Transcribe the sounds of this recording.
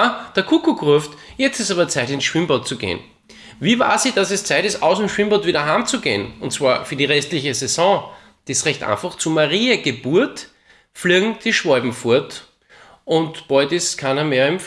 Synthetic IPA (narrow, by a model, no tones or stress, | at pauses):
d̥əɐkʰukuɡʁʊftjɛt͡stɪstaːbɐt͡sæɪtɪnsʃʋ̥ɪmbɔt̚t͡suɡḛːn | viːva̰ːɐziːd̥asɛst͡sæɪtɪstaʊsemʃv̥ɪmbɔtv̥iːɾɐɦaːmt͡suɡḛːnʊntt͡sv̥aːɐfyːɐdiʁɛstlɪçəsɛzɔ̃ | d̥isʁɛçtʔa̰ɪnfaxt͡sumaʁiːəɡ̥əbuɐt | fliːɡŋ̩d̥iʃv̥ɔɪbm̩fʊɐt | ʊntb̥ɔʏtɪskʰanɐmeːɐɪmf